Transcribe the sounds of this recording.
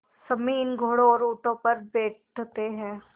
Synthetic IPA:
sɐmiːnɡʱoːɽoɔːɾʊːʈõpɐɾbeːʈ | t̪eɦɛ̃ː

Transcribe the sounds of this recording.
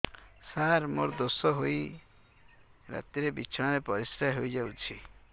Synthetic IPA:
saɾmoɾd̪osɔɦoj | ɾa̰t̪iɾebit͡ʃʰɔɽ̃aɾepɔɾisɾaɦojd͡ʒawt͡ʃʰi

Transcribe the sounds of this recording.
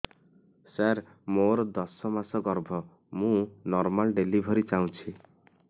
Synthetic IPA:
saɾ | moɾɔd̪ɔsɔmasɔɡɔɾbʱɔ | mũnɔɾmalɖelibʱɔɾit͡ʃaũt͡ʃʰi

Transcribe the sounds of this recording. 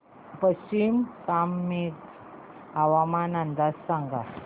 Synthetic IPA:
pəɕimkamːek | awamanand̪asːaŋɡa

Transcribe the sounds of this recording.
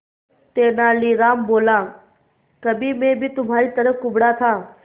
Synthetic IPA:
t̪eːnaːliːɾaːmboːlaː | kɐbʱimẽbʱit̪ʊmaːɾit̪ɐɾəfkʊbɽat̪ʰaː

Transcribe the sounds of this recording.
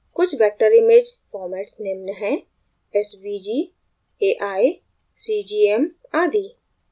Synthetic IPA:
kʊt͡ʃʰʋɛːk̚ʈəɾɪmed͡ʒfɔːɾmɛːʈsneːmnəɦɛ̃ | ɛsbiːd͡ʒiː | eːʔaːi | siːd͡ʒiːɛmaːd̪iː

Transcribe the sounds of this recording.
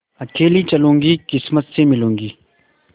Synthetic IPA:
ɐkeːlit͡ʃɐlũːŋɡikɪsmət̪semɪlũːŋɡiː

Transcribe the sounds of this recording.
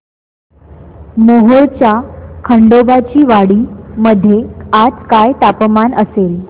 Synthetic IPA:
moɦoɭt͡ɕakʰəɳɖobat͡ɕiːʋaɽiːməd̪ʱːjead͡zkajt̪apmanʔəsel

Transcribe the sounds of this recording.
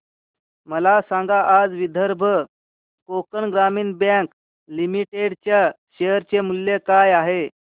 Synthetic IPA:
məlasãŋɡaʔːd͡zʋid̪ʱəɾbʱə | kokəɳɡɾamiːnbãk | limiʈeɽt͡ɕjaɕejəɾt͡ɕemulːjekajaɦe

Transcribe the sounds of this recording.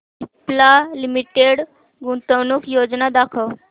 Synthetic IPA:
iplalimiʈeɽ | ɡũnt̪əwnuːkjod͡znad̪akʰəw

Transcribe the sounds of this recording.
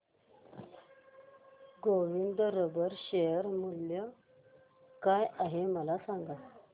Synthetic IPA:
ɡowind̪əɾəbəɾɕejəɾmuljə | kajʔaɦeməlasaŋɡa

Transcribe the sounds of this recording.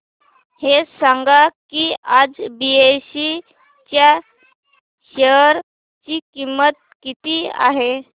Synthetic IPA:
hesaŋɡakiad͡zbiesi | t͡ɕja | ɕəɦəɾ | t͡ɕikimːət̪̚kit̪ia̰ɦe

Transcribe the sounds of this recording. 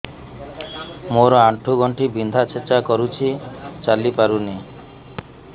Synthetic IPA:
moɾɔaʈʰuɡɔɳʈibind̪ʱat͡ʃʰet͡ʃakɔɾut͡ʃʰit͡ʃalipaɾuni

